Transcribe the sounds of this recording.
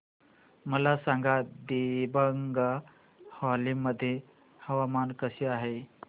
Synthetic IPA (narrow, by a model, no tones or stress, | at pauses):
məlasaŋɡad̪ibəŋɡa | hɔlimːəd̪ʱːje | həʋamankəɕeaɦe